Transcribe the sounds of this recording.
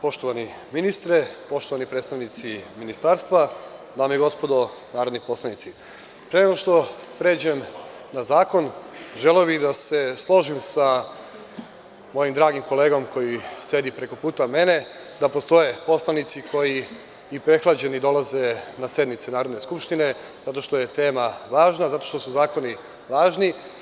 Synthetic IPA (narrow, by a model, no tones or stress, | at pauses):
po̞ʃt̪oʋani | minist̪ɾepo̞ʃt̪oʋanipɾet̪st̪aʋnit̪siminist̪aɾst̪ʋad̪aːmeiɡo̞spo̞d̪o̞ | naːɾo̞d̪nipo̞slˠanit̪si | pɾeneɡoʃt̪o̞pɾe̞ːd͡ʑem | nazaːko̞nʒeleobiɣd̪ase̞slˠo̞ʒimsa | mo̞jimd̪ɾaːɡimko̞le̞ːɡo̞mko̞jise̞d̪ipɾe̞ko̞puːt̪ame̞ne̞ | d̪apo̞st̪o̞je̞po̞slˠanit̪sikʰo̞jiː | pɾe̞xlˠad͡ʑe̞nid̪o̞lˠaze̞nasje̞d̪nit̪senaːɾo̞d̪ne̞skupʃt̪ine̞ | z̥at̪o̞ʃt̪oje̞t̪e̞ːmaʋaːʒnazat̪o̞ʃt̪o̞suzaːko̞ni | ʋaːʒni